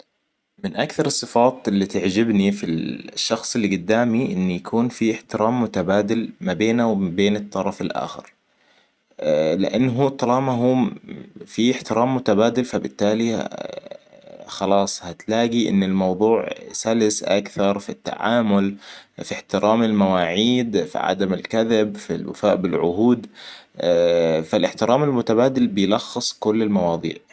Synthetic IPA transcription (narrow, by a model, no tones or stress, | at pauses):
mɪnʔakθɑɾˤɨsˤːɨfɑːt̪ɪlːit̪aʕd͡ʒɪbnifiʃːɑxsˤɪlːiɡʊd̪ːaːmiʔɪnːjakʰuːnfiɪħt̪ɪɾʔaːmːʊt̪abaːd̪ɪlmabeːnawbeːnɨt̪ˤːɑɾˤɑfɪlʔa̰ːxɪ̰ɾ | lɪ̰ʔanːɦut̪ˤːɑlɑːmaɦuː | fiɪħt̪ɪɾʔaːmːʊt̪abaːd̪ɪlfabɪt̪ːaːli | xɑlɑːsˤhat̪laːɡiʔɪ̰nːɪlmɑwðˤuːʕsalɪsʔa̰kθɑɾˤfit̪ːa̰ʕa̰ːmʊlfiħt̪ɪɾʔaːmɪlmawaːʕiːd̪fḭʕa̰d̪amɪlkaðɪbfḭlwa̰faːʔbɪlʕʊ̰ɦuːd̪ | falʔɪħt̪ɪɾʔaːmalmʊt̪abaːd̪ɪlbɪjlɑxːɨsˤkʊlːɪlmɑwɑːðˤḭːʕ